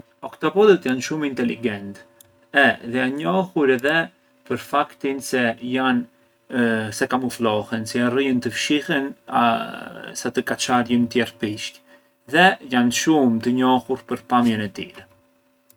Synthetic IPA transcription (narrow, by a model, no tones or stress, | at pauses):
ɔkt̪ɔpɔd̪ət̪janʃumint̪ɛlḭɡɛnt̪ | ɛðɛanɲɔhuɾɛðɛ | pəɾfakt̪insɛjan | sɛkamuflɔhɛnsɛjariənt̪əfʃihɛna̰ | sat̪əkat͡ʃaljənt̪jɛrpiʃc | ðɛjanʃumt̪əɲɔhuɾpəɾpamjɛnɛt̪ḭɾɛ